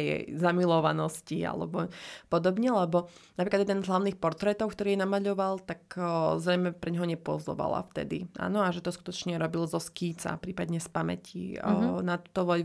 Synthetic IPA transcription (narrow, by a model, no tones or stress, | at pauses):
jɛ̰jzamilɔʋanɔscia̰lɛ̰bɔpɔd̪ɔbɲɛlɛbɔnapɾikad̪jɛd̪ɛnzɦlaʊniːxpɔɾt̪ɾɛt̪ɔʊkt̪ɔɾiːjɛnamaʎɔʋalˠt̪akzɾɛjmɛpɾɛɲɦɔɲɛpʊɔ̰zlɔ̰ʋa̰la̰ft̪ɛ̰d̪ḭʔa̰ːnɔaʒɛt̪ɔsku̥t̪ɔt͡ʃɲɛɾɔbilzɔskiːt͡sa̰pɾiːpad̪ɲɛspamɛ̰cḭnat̪u̥t̪ɔʋɔl